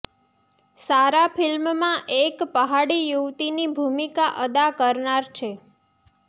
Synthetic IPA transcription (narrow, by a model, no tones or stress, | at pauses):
saɾafʰɪlmmãʔekpəɦaɽijuʋt̪inibʱumikaʔəd̪akəɾnaɾt͡ʃʰe